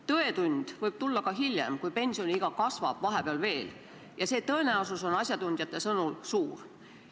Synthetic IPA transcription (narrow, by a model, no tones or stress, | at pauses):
t̪ɤe̞t̪unʲd̪̥vɤjb̥t̪ulːɑkɑɦilʲjḛmkujpe̞nʲsio̞nʲiiɡ̥ɑkɑsvɑ̰b̥vɑɦe̞peɑlve̞ːl | jɑse̞ːt̪ɤ̞e̞næosuso̞nɑsʲjɑt̪unʲd̪̥ʲjɑt̪ːˑe̞sɤnulsuːr